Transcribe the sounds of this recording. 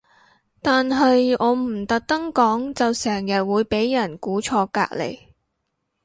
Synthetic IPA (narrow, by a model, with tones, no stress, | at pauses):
t̪aː˨nɦɐ˨jɔː˨˧m̩˨˩t̪ɐ˨k̚t̪ɐ˥ŋkɔː˨˥ŋt͡sɐ˨wsɛː˨˩ŋjɐ˨t̚wuː˨˧jpe˨˥jːɐ˨˩nkuː˨˥t͡ʃʰɔː˧ka̰ː˧k̚lḛ˨˩j